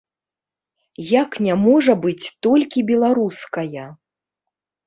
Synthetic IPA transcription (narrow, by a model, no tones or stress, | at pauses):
jaknʲamɔʐɐbɨt͡sʲt̪ɔlʲkʲibʲɛlˠaɾuskɐjɐ